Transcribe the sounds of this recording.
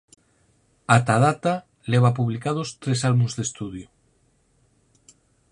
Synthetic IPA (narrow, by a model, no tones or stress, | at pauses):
at̪að̞at̪a | leβ̞apuβlikað̞ost̪ɾesalβunzðest̪uð̞jo